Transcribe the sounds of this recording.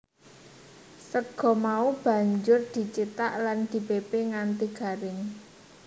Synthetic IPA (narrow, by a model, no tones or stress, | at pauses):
səɡ̥ɔ̤maub̥ä̤ɲd͡ʒʊrd̪̥i̤t͡ʃit̪aʔland̪̥i̤bebeŋant̪iɡ̥a̤ɾɪŋ